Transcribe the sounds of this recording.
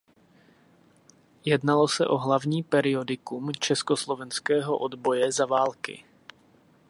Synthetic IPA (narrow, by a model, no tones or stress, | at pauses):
jɛdnalo̞sɛ̰ʔo̞ɦlavɲiːpɛɾɪo̞dɪkumt͡ʃɛskoslo̞vɛnskɛːɦo̞ʔo̞d̪bo̞jɛzavaːlkɪ̰